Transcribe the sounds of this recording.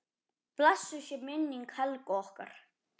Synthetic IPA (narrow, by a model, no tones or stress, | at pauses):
plasːʏsɛmɪnːiŋkʰhɛlkɔhka̰ɾ̥